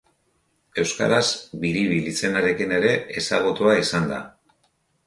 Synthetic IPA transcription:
e̞wska̰ɾazbiɾiβilit͡se̞naɾe̞kine̞ɾe̞esaɣ̞ut̪uaisand̪a̰

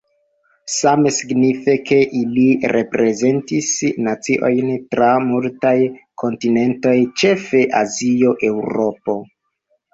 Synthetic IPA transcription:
same̞siɡnife̞ke̞ʔiliɾe̞pɾe̞ze̞ntisnat͡siʔo̞jntɾamultajkʰo̞ntine̞nto̞jt͡ʃe̞fe̞ʔazio̞ʔe̞wɾo̞po̞

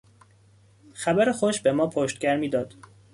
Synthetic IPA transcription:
xæbæɾexoʃbe̞mɒːpʰoʃt̪̚ɟæɾmiːd̪ɒːd̪̥

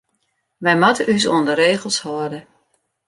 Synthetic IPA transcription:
ʋɛjmatəʔys̬oəndəɾeːɣəlˠshɔdə

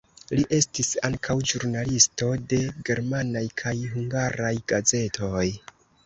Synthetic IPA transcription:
liʔe̞stisaŋkʰawd͡ʒuɾnalisto̞de̞ɡe̞ɾmanajkʰajɦuŋɡaɾajɡ̥aze̞tʰo̞j

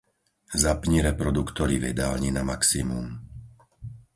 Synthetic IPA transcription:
zapɲiɾɛpɾɔd̪ukt̪ɔɾiʋɛ̰d̪aːlɲinamaksimum

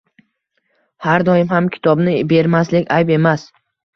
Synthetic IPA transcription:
haɾd̪ɒɪmhamkʲʰɪ̥t̪ʰɒbnɪbe̞ɾmaslɪkʲajbe̞mas

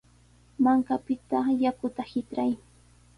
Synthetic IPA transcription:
maŋkapɪt̪ajakʊt̪ahɪtɾaj

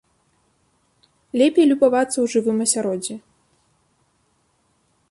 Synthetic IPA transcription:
lʲɛpʲejlʲubavat̪sɐwʐɨvɨmɐsʲaɾɔd͡zʲɛ

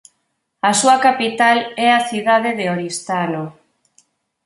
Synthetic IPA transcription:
asuakapit̪alɛaθiðað̞eðeoɾist̪ano

